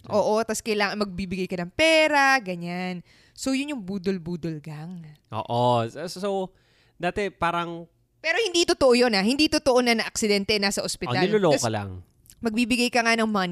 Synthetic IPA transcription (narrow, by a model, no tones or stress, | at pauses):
ʔʔo̞ːʔo̞t̪askɐjlaːŋɐŋmɐɡ̚biːbɪɡajkɐnɐŋpɛːɾaɡɐɲan | sojʊnjʊŋbuːd̪olbuːd̪olɡaŋʔo̰ːʔosow | d̪aːt̪ɛpaːɾɐŋ | pɛːɾo̞hɪnd̪it̪ot̪oʔojo̞naɦɪnd̪it̪ot̪oʔonɐnɐʔɐk̚sɪd̪ɛnt̪ɛnasɐʔospɪoalnɪloloːɐkɐla̰ŋ | mɐɡ̚bibɪɡajkɐŋanɐŋman